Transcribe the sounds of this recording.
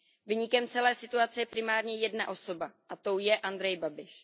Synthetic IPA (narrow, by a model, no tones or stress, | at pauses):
viɲɪkɛmt͡sɛlɛːsɪt̪uat͡sɛjɛpɾɪmaːɾɲɛjɛdnaʔo̞so̞baʔat̪owjɛʔand̪ɾɛjbabɪʃ